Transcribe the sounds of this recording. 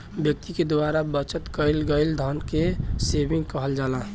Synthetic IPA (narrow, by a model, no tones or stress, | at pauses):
bjək̚t̪iked̪waːɾabət͡ʃət̪kəɪlɡəɪld̪ʱənkeseːbɪ̃ŋɡkəɦəld͡ʒaːlãː